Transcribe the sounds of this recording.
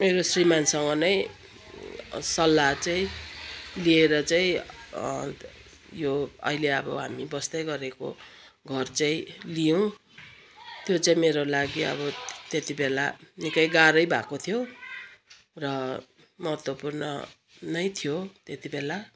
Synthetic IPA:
meɾosrimansʌŋʌnʌj | sʌlːat͡saĩ | lieɾʌt͡saĩ | joʌ̰ɦileʌbʌ̰ɦa̰mibʌsd̪ʌjɡʌɾeko̰ | ɡʱʌrt͡saĩlijʌw̃ | t̪jot͡saĩmeɾolaɡiʌ̰bʌt̪et̪ibela̰nikʌjɡaɾʌjbʱakot̪ʰjo | rʌ | mʌɦʌt̪wʌpurnʌ̰ | nʌjt̪ʰijot̪et̪ibela

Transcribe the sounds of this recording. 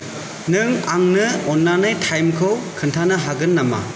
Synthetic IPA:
nɯŋaŋnɯɔnlanajtʰajmkʰɯwkʰɯntʰanɯɦaɡɯnːama̰

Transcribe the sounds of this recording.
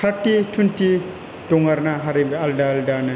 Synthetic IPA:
t̪ʰatːitʰunti | toŋɡaɾnaɦaɾibealdaldana

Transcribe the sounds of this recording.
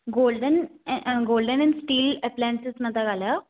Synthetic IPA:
ɡoːlɖənɡolɖənɛnsʈiːlɛplɛ̃nsəsmət̪aɡalja

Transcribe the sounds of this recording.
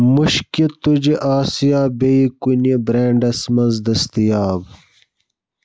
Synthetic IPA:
muɕkit̪ud͡ʑiʔaːsijaːbeikunibɾeːɳɖɐsmɐnzd̪ɐst̪ijaːb

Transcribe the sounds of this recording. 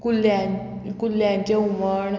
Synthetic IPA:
kuljakulːjãɲt͡ɕeuməɳ

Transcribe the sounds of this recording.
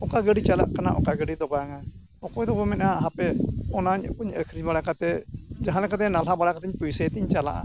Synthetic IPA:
ɔkaɡəɖit͡ʃala̰ʔkana̰ʔɔ̰kaɡəɖid̪ɔbajaŋa | ɔkɔjd̪ɔbɔmɛnaaaɦãpɛɔnaɲkuɲəkʰɾiɲbaɽakat̪ɛd͡ʒaɦanlɛkat̪ɛnalɦabaɽakat̪iɲpujsət̪iɲt͡ʃala̰ʔa̰

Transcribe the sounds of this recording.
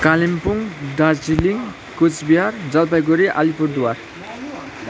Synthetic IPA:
kalimpuŋdad͡ziliŋ | kut͡sbiɦaɾd͡zalpajɡoɾiʔalipuɾd̪uwaɾ

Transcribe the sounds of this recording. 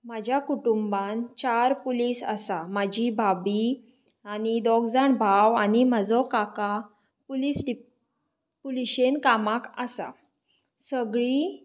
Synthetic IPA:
mad͡ʑʱjakuʈumbãnt͡ɕaɾpulisə̰samad͡ʑʱibʱabi | anid̪ɔɡd͡zaɳbʱawanimad͡zɔkaka | pulisɖi | puliɕenkamaka̰sa̰ | səɡɭi

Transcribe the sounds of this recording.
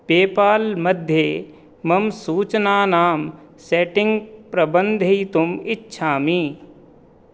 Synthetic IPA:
peːpaːlmɐd̪ʱje | mɐmsuːt͡ʃnaːnaːm | seːʈɪ̃ŋɡpɾəbə̃nd̪ʱit̪ʊmɪtːʃʰaːmiː

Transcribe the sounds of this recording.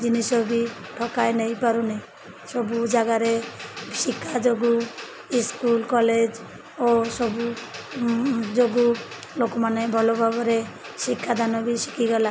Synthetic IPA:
d͡ʒinisɔbiʈʰɔkajnejpaɾunej | sɔbud͡ʒaɡaɾesikʰːad͡ʒoɡu | iskulkɔled͡ʒ | osɔbu | d͡ʒoɡu | lokɔmanebʱɔlobʱabɔɾe | sikʰːad̪ʱanɔbisi̥kʰiɡɔla

